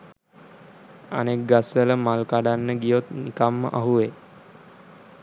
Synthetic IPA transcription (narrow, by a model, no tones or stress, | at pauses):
a̰nek̚ɡasələmalkaɖanːəɡijot̪nikamːə̰ʔaɦuʋe